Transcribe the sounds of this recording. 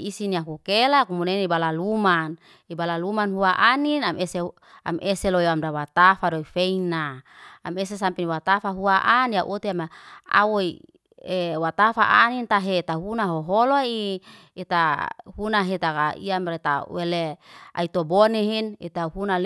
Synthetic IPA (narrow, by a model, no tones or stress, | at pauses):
isiniaɦukelakumunenibalaluman | ibalalumanɦuaʔaninamese | a̰mʔeseloiamdawat̪afadoifeinaames̬esampiniwat̪afaɦuaʔaniaʔot̪iamaa̰woi | ewat̪afa̰ʔanint̪aɦet̪aɦunaɦoɦoloi | et̪ahunaɦet̪akaḭamɾet̪a̰welea̰it̪oboneɦinit̪aɦunal